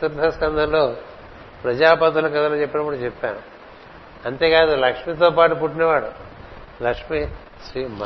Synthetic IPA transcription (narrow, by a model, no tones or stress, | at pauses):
t̪uɾd̪ʱɐskɐnd̪ʱɐnlo̞ː | pɾɐd͡ʒaːpɐd̪ulɐkɐd̪ɐlot͡ʃepːɐnɐkuɽut͡ʃɛpːa̰ːɽu | ɐnt̪e̞ːkaːd̪ulɐkʂmit̪̬oːpaːʈupuʈːineʋaːɽu | lɐkʂmi | ʃɾiːm